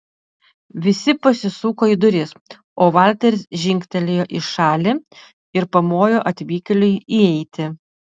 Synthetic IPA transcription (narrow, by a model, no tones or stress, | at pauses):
ʋʲɪsʲɪpɐsʲɪsuːkoːid̪ʊɾʲɪs | oːʋɑˑlʲt̪ʲɛɾʲɪsʒʲɪŋʲkʲt̪ʲɛlʲeːjoːʔɪʃɑːlʲi | ɪɾpɐmoːjoːʔɐt̪ʲʋʲiːkʲɛlʲʊɪiɛɪt̪ʲɪ